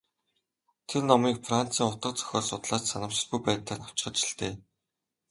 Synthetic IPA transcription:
t̪ʰernɔmiːkfran̥t͡siːŋʊt̪ə̆q̚t͡sœ̥xʲɔːɮsʊt̪ɮaːt͡ɕsanə̆mt͡ɕɪ̆ɮpujpæːt̪ɮə̆taw̥t͡ɕ̆ɢə̆t͡ɕɪ̆ɬt̪eː

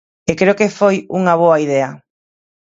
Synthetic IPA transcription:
ekɾeokefojuŋɐβ̞oɐiðɛɐ

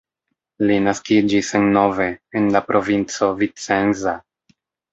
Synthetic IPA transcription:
linaskid͡ʒisenːo̞ve̞ːnlapɾʔo̞vint͡so̞vit͡se̞nza

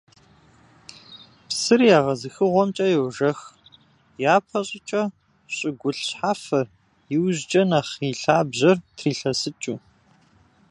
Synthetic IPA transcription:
psɨrjaːʁɐzɨxɨʁʷɔmt͡ʃʼɐjɛwʒɐx | jaːpʰɐɕʼɪt͡ʃʼɐ | ɕʼɪɡʷʊɬɕħaːfɐr | jɪwʑd͡ʒʼɐnaχiːɬaːbʑɐrtʰriːɬɐsɨt͡ʃʼuː

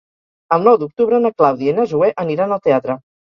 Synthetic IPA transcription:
əlˠnɔwd̪uk̚t̪uβɾənəklawðienəzuɛʔəniɾanəlˠt̪eat̪ɾə

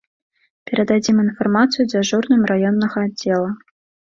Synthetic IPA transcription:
pʲeɾʲed̪adʲiminformɑt̪sɨjudʲeʐurnɨmrajonːəʁədʲːelˠə

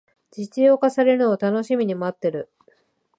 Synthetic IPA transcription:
d͡ʑit͡sɨjo̞ːkasaɾe̞ɾɯ̟no̞βat̪ano̞ɕimʲiɲ̟imoat̪ːe̞ɾɯ̟

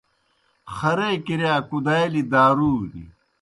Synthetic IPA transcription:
xɐɾeːkiɾjaːkud̪aːjlid̪aːɾuːnḭ

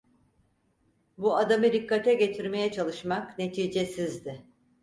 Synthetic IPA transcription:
buad̪amɯd̪ikːat̪ʰɛɟe̞t̪ʰiɾme̞jɛt͡ʃʰalˠɯʃmakne̞t̪ʰiːd͡ʒesizd̪ɪ

